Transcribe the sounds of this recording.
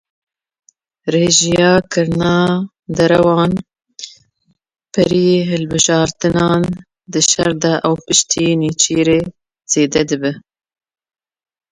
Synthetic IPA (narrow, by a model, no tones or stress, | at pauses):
reːʒijɑːkʰɨɾnɑː | d̪ɛɾɛwɑːn | pʰɛɾijeːɦɨlbɨʒɑːɾt̪ɨnɑːn | d̪ɨʃɛɾd̪ɛʔɛwpɨʃt̪ʰiːniːt͡ʃiːɾeː | z̥eːd̪ɛd̪ɨbɨ